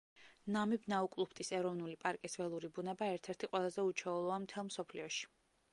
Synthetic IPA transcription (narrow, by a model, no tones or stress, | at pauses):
namibnaukʼlˠupʰt̪ʼisɛɾɔvnulipʼaɾkʼisvɛlˠuɾibunɛbaɛɾt̪ʰɛɾt̪ʰiqʼwɛlˠazɛut͡ʃʰɛulˠɔamt̪ʰɛlˠmsɔpʰliɔʃi̥